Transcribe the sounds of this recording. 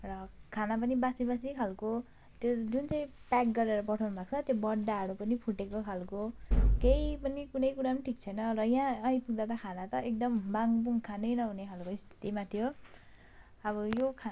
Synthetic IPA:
rʌkʰanap̬ʌnibasibasikʰalko | t̪jod͡zunt͡sʌĩpak̚ɡʌɾeɾʌpʌʈʰʌwnʌbʱak̚t͡sʰʌt̪jobʌɖːaɦʌɽupʌnipʰuʈekokʰalkokejpʌnikunʌjkuɽapʌniʈʰik̚t͡sʰʌjnʌrʌjãʌj̃puɡd̪at̪ʌkʰanat̪ʌek̚d̪ʌmbaŋbuŋkʰanʌjnʌɦunekʰalkoist̪ʰi̥t̪imat̪ʰijo | ʌbʌjokʰa

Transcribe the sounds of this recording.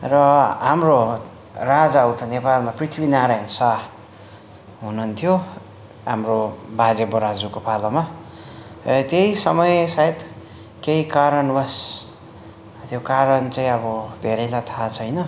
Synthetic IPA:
rʌɦamro | rad͡zaʌwt̪ʰʌnepalmaprit̪ʰbinaɾajnsa | ɦununt̪ʰijo | ɦa̰mrobad͡zeboɾad͡zukopʰaloma | t̪ejsʌmʌjsaet̪ | keikaɾʌnbʌs | t̪jokaɾʌnt͡saĩʌbʌd̪ʱeɾʌjlat̪ʰat͡sʰʌjnʌ

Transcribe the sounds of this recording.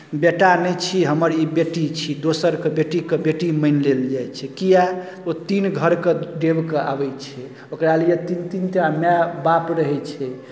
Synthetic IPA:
beʈanɛjt͡ʃʰiɦəməɾibeʈit͡ʃʰid̪osəɾkebeʈikebeʈiməɪnleld͡ʒajt͡ʃʰɛkija | ot̪inɡʱəɾkeɖebkeʔa̰bɛt͡ʃʰɛ | okɾaljet̪int̪int̪amɛbapɾəɦɛt͡ʃʰɛ

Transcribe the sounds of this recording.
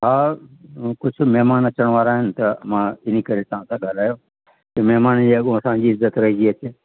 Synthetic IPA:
ɦaː | kʊt͡ʃʰʊmɛɦmaːnɐt͡ʃəɽ̃ʋaːɾaːɦɪnɪ̆t̪ɐmãɪnikɐɾet̪ãsãɠaːlaːjoː | kemɛɦmaːnd͡ʑiɐɠõəsãd͡ʑiːɪzət̪ɾɐɦid͡ʒiət͡ʃeː

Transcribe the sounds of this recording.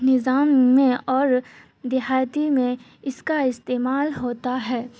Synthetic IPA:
nɪzaːmːẽɔːɾ | d̪ɪɦaːt̪imẽ | ɪskaɪst̪eːmaːlɦoːt̪aɦɛː

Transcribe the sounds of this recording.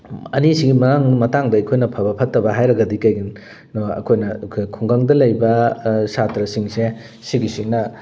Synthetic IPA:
ɐ̰nisiɡimɐnaŋmɐtaŋdɐɐjkʰojnɐpʰɐbɐpʰɐtːɐbɐɦajɾɐɡɐdikɐjɡin | nɔɐ̰kʰojnɐkʰkʰuŋɡaŋdɐlɐjbɐsatɾɐsiŋse | siɡisiŋnɐ

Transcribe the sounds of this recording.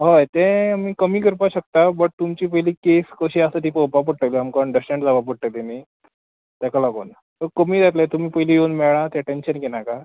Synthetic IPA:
ɦəjt̪ɛ̃miːkəmiːkəɾpaɕək̚t̪abəʈ̚t̪umt͡ɕiːpəɦiliːkeskəɕiasət̪iːpəwpap̬əʈːəliamkaəɳɖəsʈẽɳʈd͡zabapəʈʈət̪emi | t̪jakalaɡo̰ːn | t̪əkəmiːd͡zat̪let̪um̤iːpəɦiliːjewnmɛɭãt̪ɛʈenɕənkenaka

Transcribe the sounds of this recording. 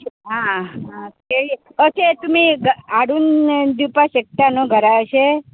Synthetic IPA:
ɦãɦãkeɭieət͡ʃʰet̪umiɡaɽund̪jupaʃək̚t̪anoɡʱəɾat͡ʃʰe

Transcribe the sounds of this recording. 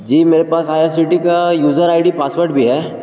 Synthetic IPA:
d͡ʒiːmeːɾepaːsaːjaɾsiʈikajuːzəɾaːɪɖipaːsʋəɾɖbʱiɦɛː

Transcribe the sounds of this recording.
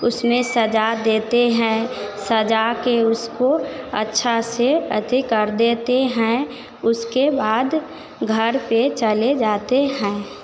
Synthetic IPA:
ʊsmẽsəd͡ʒad̪eːt̪eɦɛ̃səd͡ʒakeʊskoə̰tːʃʰaseə̰t̪ikəɾd̪eːt̪eɦɛ̃ | ʊskebaːd̪ | ɡʱɐɾpet͡ʃəled͡ʒaːt̪eɦɛ̃ː

